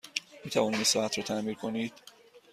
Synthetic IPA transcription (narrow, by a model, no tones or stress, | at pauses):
miːt̪ʰævɒːniːisɒæt̪ʰɾɒːt̪ʰæmiːɾkʰoniːd̪̥